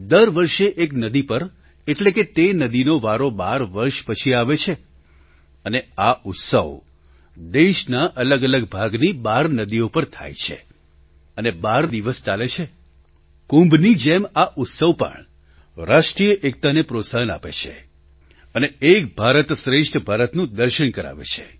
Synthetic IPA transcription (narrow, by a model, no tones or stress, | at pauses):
d̪əɾʋəɾʃeʔeknəd̪ipəɾ | eʈleket̪enəd̪inoʋaɾobaɾʋəɾʃpət͡ʃʰiaʋet͡ʃʰe | əneaʊt̪sə̰ʋ | d̪eʃnaʔələɡələɡbʱaɡnibaɾnəd̪iopəɾt̪ʰa̰jt͡ʃʰḛ | ənebaɾd̪iʋəst͡ʃalet͡ʃʰe | kũmbʱnid͡ʒemaʔʊt̪səʋpə̰ɳ | ɾaʃʈɾijəʔek̚t̪anepɾosaɦəna̰pḛt͡ʃʰḛ | əneekbʱaɾət̪sɾeʃʈʰəbʱaɾət̪nũd̪əɾʃəɳkəɾa̰ʋḛt͡ʃʰḛ